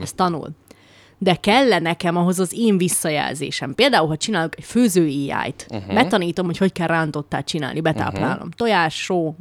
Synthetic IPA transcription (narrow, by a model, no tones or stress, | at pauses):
ɛst̪ɒnṵl | d̪ɛkɛlːɛnɛkɛmɒɦo̞zɒzeːɱvisːɒjɛ̰lzḛːʃɛmpeːld̪aːulɦɒt͡ʃinaːlokɛcføːzøːiːja̰ːjt̪bɛt̪ɒniːt̪o̞mho̞cho̞ckɛlrraːnt̪o̞t̪ːaːt͡ʃina̰ːlnibɛt̪a̰ːpla̰ːlo̞̰mt̪o̞jaːʃoː